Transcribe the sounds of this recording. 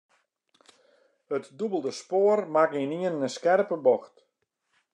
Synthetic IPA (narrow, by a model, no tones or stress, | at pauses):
hətdubəlˠdəspoːərmakiniənəskɛrpəbɔxt